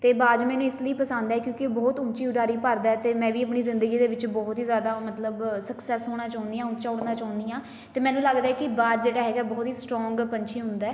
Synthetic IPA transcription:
t̪eːbaːd̪mɛ̃ːnũːɪsləiːpəsãnd̪ɛːkjõːkɪbɔːt̪ʊt͡ʃiːʊɖaːɾiːpəɾd̪aːɛːt̪eːmɛ̃ːʋiːəpɳiːzɪ̃nd̪əɡiːd̪eːʋɪt͡ʃbɔːt̪iːzjaːd̪aːmət̪ləbsəksɛːsɦoːɽ̃ãːt͡ʃaːʊ̃nd̪ijãːʊt͡ʃaːʊɽnaːt͡ʃaːʊ̃nd̪iːãː | t̪eːmɛ̃ːnũːləɡd̪aɛːkɪbaːd̪d͡ʒeːɽaːɦɛːɡaɛːbɔːt̪ɦiːsʈɾɔːŋɡpənt͡ʃʰĩːɦʊ̃nd̪aɛː

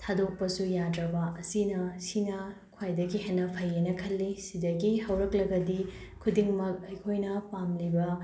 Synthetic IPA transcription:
tʰadok̚pɐsujadɾɐbɐʔɐsinɐsinɐ | kʰwajdɐɡiɦenːɐpʰɐjenɐkʰɐlːisidɐɡihɐwɾɐklɐɡɐdikʰudiŋmɐk̚ɐjkʰojnɐpamlibɐ

